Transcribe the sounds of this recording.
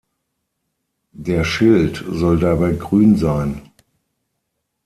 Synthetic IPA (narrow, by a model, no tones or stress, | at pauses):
d̥eːɐʃɪltz̥ɔldabaɪɡʁyːnzaɪn